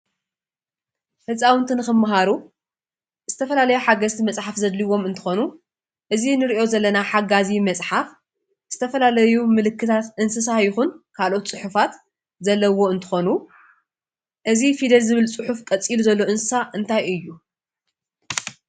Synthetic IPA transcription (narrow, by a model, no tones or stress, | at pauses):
hɨsʼawɨnt̪ʰɨnɨxɨmːaɦaɾu | z̥ɨt̪ʰɐfɐlalɐjuħaɡɐzt̪ʰimɐsʼħafzɐd̪liwo̞mɨnt̪ʰɨ̥xo̞nu | ʔɨzinɨɾiʔo̞zɐlːɐnaħaɡazimɐt͡sʼħaf | z̥ɨt̪ʰɐfɐlalɐjumɨlɨkːɨt̪ʰat̪ʔɨnsɨs̬ajɪxunkʰalʔo̞t̪t͡sʼɨħufat̪ | zɐlːɐwo̞ɨnt̪ʰɨ̥xo̞nu | ʔɨzifid̪ɐlzɨβɨlt͡sʼɨħufkʼɐt͡sʼːiluzɐlːo̞ɨnsɨsaʔɨnt̪ʰajʔɨjːu